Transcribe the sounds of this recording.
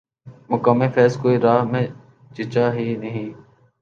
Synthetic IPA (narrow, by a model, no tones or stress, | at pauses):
mʊkəːmefɛːskoːiːɾaːɦmẽ | t͡ʃɪt͡ʃaːɦiːnəɦĩː